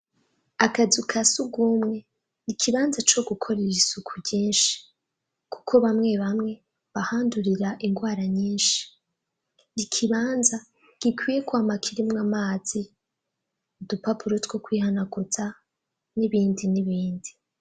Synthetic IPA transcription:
akazukʰasuɡuːmŋe̞ | nikʰiβaːnzat͡ʃo̞ɡukʰo̞ɾiɾisukʰuɾɟiːnʃi̥ | ku̥kʰo̞βamŋe̞βamŋe̞ | βahaːnduɾiɾaʔiŋɡwaːɾaɲiːnʃi̥ | nikʰiβaːnza | ɡ̥ikwiːje̞kwamakʰiɾimŋamaːz̥i | udupapuɾotɡo̞kwiːhanaɡut͡sa | niβiːndiniβiːndi

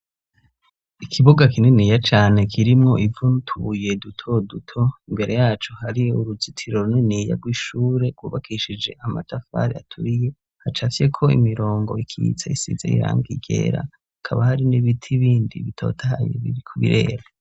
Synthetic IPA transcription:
ikʰiβoɡakineniːjat͡ʃaːne̞kʰiɾimŋo̞ʔivuntʰuje̞dutʰo̞dutʰo̞imbe̞ɾʔe̞jaːt͡ʃohaɾiuɾuzitʰiɾo̞ɾunenija̰ɡwiːʃuːɾe̞ɡwuːβakʰiʃid͡ʒe̞ʔamatʰafa̰ɾia̰tʰuɾije̞ | hat͡ʃafje̞kʰo̞ḭmiɾo̞ːŋɡo̞̰ikʰiḭt͡saisḭzḛḭɾa̰ːŋɡiɡe̞̰ɾa̰ | akʰaβahaɾiniβitʰiβiːndḭβitʰo̞̰ːtʰaha̰jḛβiikʰoβḭɾʔe̞̰ːɾa

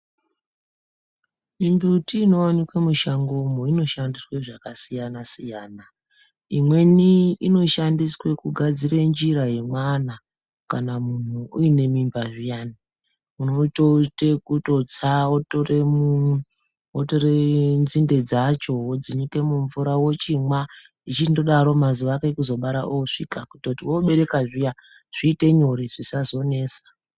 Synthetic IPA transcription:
imbutiːno̞wanikwemuʃaŋɡomoino̞ʃandisweʐakasijanasijaːna | imwe̞niino̞ʃandiswe̞kuɡʱad͡zirend͡ʒiɾaje̞mwana | kanamun̤uuine̞mimbaʐijaːni | unototekuto̞t͡saotoremu | otoɾend͡zinde̞d͡zat͡ʃo̞wod͡zinike̞muɱvuɾawot͡ʃimwa | it͡ʃitindo̞ɗaɾo̞mazuʋakeekuzo̞ɓaɾa̰ʔoʂikakutotiwoɓe̞ɾe̞kaʐija | ʐ̥iːte̞ɲoɾiʐ̥isazo̞ne̞ːsḁ

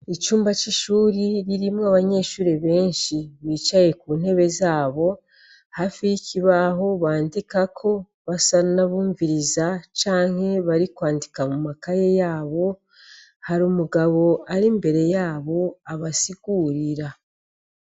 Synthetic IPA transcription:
it͡ʃuːmbat͡ʃiʃuːɾiɾiɾimŋaβaɲe̞ːʃuːɾeβe̞ːnʃiβiːt͡ʃaje̞kuːn̥he̞βe̞zaːβo̞ | hafijicʰiβaɦo̞βaːndikakʰo̞ | βasanaβuːɱviɾizat͡ʃaːŋ̥he̞βaɾikwaːndikamumakaje̞jaːβo̞ | haɾuːmuɡaβo̞aɾimbe̞ɾe̞jaːβo̞aβasiɡ̥uɾiɾa

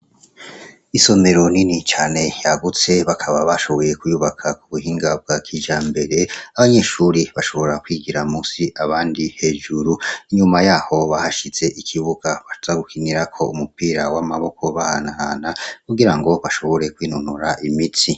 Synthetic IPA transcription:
iso̞me̞ɾo̞ninit͡ʃaːne̞jaɡut͡se̞βakʰaβaβaʃo̞βo̞je̞kujuβakʰakuβuhiːŋɡab̚ɡakʰiʒambe̞ɾe̞aβaɲe̞ʃuːɾiβaʃo̞βo̞ɾakwiːɡiɾamusiʔaβaːndihe̞ʒuɾuiɲumajaho̞βahaʃiz̥e̞ʔikʰiβuɡ̥aβaʃuzaɡukʰiniɾakʰo̞umupiːɾawamaβo̞kʰo̞βahanahanakuɡiɾaŋɡo̞βaʃo̞βo̞ɾe̞kwiːnunuɾaʔimiti

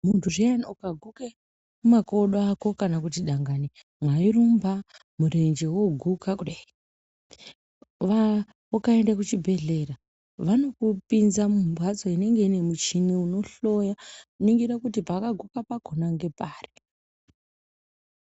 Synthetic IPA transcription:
muntʰuʐeanukaɡʱuke | mumako̞ɗoako̞kanakutiɗaŋɡani | mwairumba | muɾend͡ʒe̞woɡʱukakuɗai | ʋa | ukae̞ndakut͡ʃibʱe̞ɮe̞ra | ʋano̞kupinzamumbʱwad͡zo̞ine̞ŋɡe̞ine̞mut͡ʃiniuno̞ɬo̞jakuniŋɡiɾakutipaːkaɡʱukapaɡ̥ʱonaŋɡe̞paːri

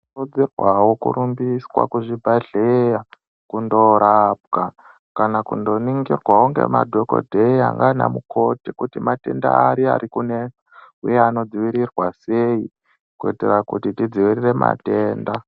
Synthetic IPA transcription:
rud͡zirwawokṵɾumbiswa̰kuʐibʱaɮeja | kundo̞ɾab̚ka | kanakundo̞niŋɡirwauŋɡe̞̰madʱo̞ko̰dʱeia̰ŋɡana̰mukʰo̞tikutimate̞nda̰ːɾia̰ɾikuneaujeano̞d͡ziʋiɾirwase̞i | kuḛterakutitid͡ziʋirire̞ma̰te̞ːnda

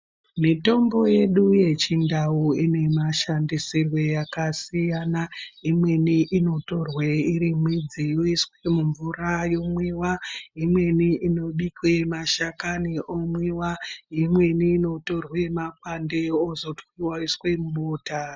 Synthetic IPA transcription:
mito̞mbo̞je̞ɗuje̞t͡ʃindauine̞maʃandisirwejakasijanaimwe̞niʔino̞to̞rweiɾimwid͡zijoiswemuɱvurajo̞mwiwaimwe̞niʔino̞ɗikwemaʃakaniʔomwiwaimwe̞niːno̞torwemak̚wande̞ozo̞twiwaiswe̞muɓoːta

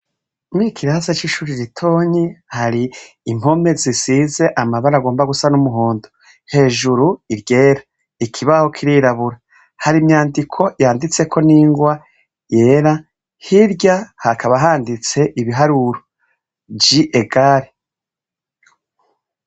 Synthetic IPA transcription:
mikʰiɾahasat͡ʃiʃuɾiɾitʰo̞ːɲihaɾiː | mo̞me̞zisize̞ʔamaβaɾaɡo̞ːmbaɡusanumuɦoːndo | he̞ːʒuɾuiɾɟe̞ːɾḁ | ikʰiβaho̞kʰiɾiːɾaβuɾa | haɾimɲaːndikʰo̞jaːndit͡se̞kʰo̞niːŋɡwa | je̞ːɾa | hiɾɟahakʰaβaɦaːndit͡se̞ʔiβiɦaɾuɾo | bjiʔeɡaɾe

